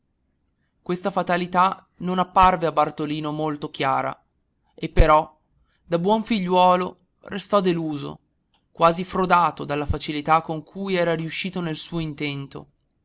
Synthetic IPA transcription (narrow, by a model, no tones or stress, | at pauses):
kwest̪afat̪alit̪a | nonapːarveabart̪oliːnomolt̪ok̟jaːɾa̰ | epːeɾɔ | d̪abwɔɱfiʎːwɔːlo | rest̪ɔd̪eluːzo̰ | kwaːzifɾod̪aːt̪od̪alːafat͡ʃilit̪akːoŋkʰujɛːɾaɾiuʃːiːt̪onelsuːoint̪ɛnt̪o̰